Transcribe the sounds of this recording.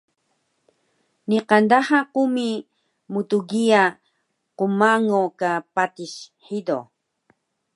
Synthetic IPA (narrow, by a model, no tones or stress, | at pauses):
niqand̪ahaqumi | mut̪uɡia | qumaŋokapat̪iʃħid̪o̰